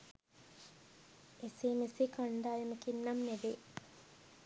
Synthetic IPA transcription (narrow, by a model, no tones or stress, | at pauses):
eseːmesekaɳɖaːjəməkinːamneʋe